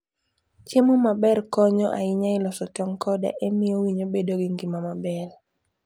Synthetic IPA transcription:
t͡ʃjemomabɛrkɔɲɔʔa̰ɪɲaɪlɔsɔtɔŋkɔda̰ʔemɪjowiɲobedoɡɪŋɡimamabɛl

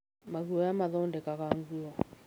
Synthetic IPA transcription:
maɣuɔjamaðɔndɛkaɣaŋɡuɔ

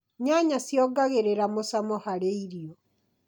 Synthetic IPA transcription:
ɲaɲasjɔɡaɣeɾeɾamosamɔhaɾeiɾiɔ

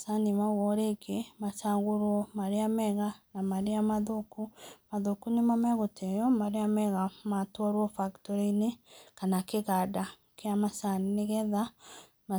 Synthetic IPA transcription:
sanimaɣwɔɾekʰemasaɣoɾwɔmaɾeamɛɣanamaɾeamaðokumaðokunemamɛɣotɛjɔmaɾeamɛɣamatwɔɾwɔfaktɔɾeinekanakeɣada | keamasanineɣɛða | ma

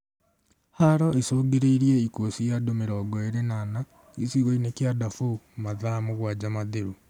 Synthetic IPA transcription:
haɾɔesoːɡeɾeiɾieikwosijadomeɾɔːɡɔeɾenana | isiɣɔinekjadafomaðamoɣwad͡ʑamaðeɾu

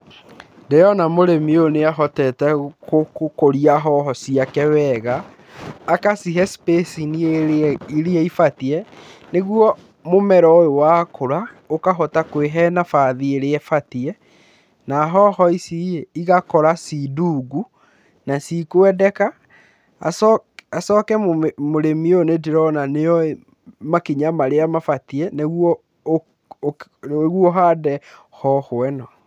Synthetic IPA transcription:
ndejɔnamoɾemioneaɦɔtɛtɛokokoɾiaɦɔɦɔsiakɛwɛɣaː | kasiɦɛspesinieiɾiɛifatiɛneɣwɔ | momɛɾɔojowaːkʰoɾa | okaɦɔtakweɦɛnafaːðieɾeɛfatiɛ | naɦɔhɔisieiɣakɔɾasiduɡu | nasikoɛdɛka̰ː | sasɔkɛmmoɾemionediɾɔnaneɔe | makiɲamaɾeamafatiɛneɣwɔ | ɣuɔɦaːdɛhɔhoɛnɔ

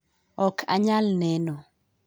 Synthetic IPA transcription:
ɔkʰa̰ɲalnɛnɔ

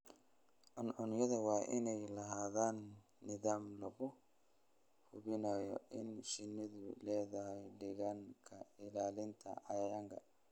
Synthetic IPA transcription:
ʔɔnɔnjɐðɐwɑːʔɪnɛjlɐɦaːðaːnː | ɪðaːmlɐɣʊ | hʊβɪnajɔ̰ʔɪnʃɪnːɪðʊlɛːðɐhɛjɖɪɣɐŋkʰɐɪlaːlɪnt̪ʰɐ̰ʕɑjjɐŋkʰɐ̰

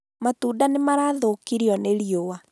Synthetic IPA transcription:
matuːdanemaɾaːðokiɾiɔneɾiowa

